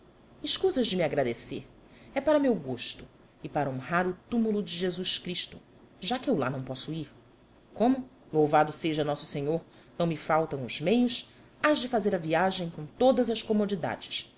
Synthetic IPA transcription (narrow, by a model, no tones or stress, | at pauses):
ɪʃkuzɐzd͡ʒɪmiaɡɾad̪eseɾ | ɛpaɾɐmewɡoʃt̪ʊ̥ | ɪpaɾɐõɦaɾʊt̪umulʊd͡ʒɪʒezuʃkɾiʃt̪ʊ | ʒakɪewla̰nɐ̃w̃pɔsʊiɾ | kõmʊ | lowvad̪ʊseʒɐnɔsʊ̥seɲoɾ | nɐ̃w̃mɪfawt̪ɐ̃w̃ʊz̥mejʊs | azd͡ʒɪfazeɾɐviaʒẽj̃kõt̪od̪ɐzɐskomod͡ʒid̪a̰d͡ʒɪs